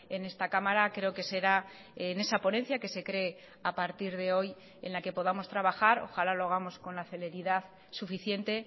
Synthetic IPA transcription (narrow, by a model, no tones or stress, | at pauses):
e̞ne̞st̪akamaɾakɾe̞o̞ke̞se̞ɾa | ne̞sapo̞ne̞nθjake̞se̞kɾe̞ | apaɾt̪iɾðe̞o̞j | e̞̰nlake̞po̞ðamo̞st̪ɾaβaxaɾo̞̰xalaloaɣ̞amo̞sko̞nlaθe̞le̞ɾiðaθ | sufiθje̞nt̪e̞